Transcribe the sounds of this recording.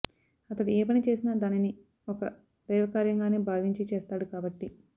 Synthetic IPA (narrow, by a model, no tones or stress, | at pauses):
ɐt̪ɐɽieːp̬ɐnit͡ʃe̞ːsinaːd̪aːnini | ɔkɐ | d̪̥ɐjʋɐkaːɾjɐŋɡaːneːbʱaːʋiɲt͡ʃit͡ʃeːst̪aːɽukaːbɐʈːi